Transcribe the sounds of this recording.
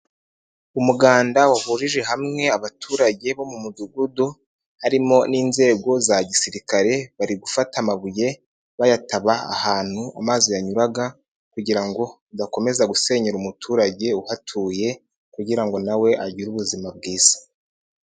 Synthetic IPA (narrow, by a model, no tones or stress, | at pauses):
umuɡaːndawaβuʒiʒe̞ɦamŋe̞aβatʰuːɾaɟe̞βo̞mumuduɡudu | haɾimo̞niːnze̞ːɡo̞zaɟisiɾikaɾe̞βaɾiɡufatamaβuje̞ | βajataβaa̰haːn̥huamazo̞jaɲuɾaɡa | kuɟiɾaŋɡo̞udako̞me̞zaɡuse̞ɲeɾumutʰuːɾaɟe̞uhatʰuːje̞ | kuɟiɾaŋɡo̞nawe̞ʔaɟiɾuβuzimab̚ɡiːz̥ḁ